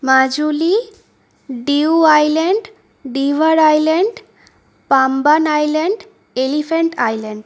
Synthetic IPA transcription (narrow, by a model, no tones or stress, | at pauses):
mad͡ʑuli | ɖiuajleɳɖ | ɖiʋaɾajleɳɖ | pambanajleɳɖ | elifʰeɳʈajleɳɖ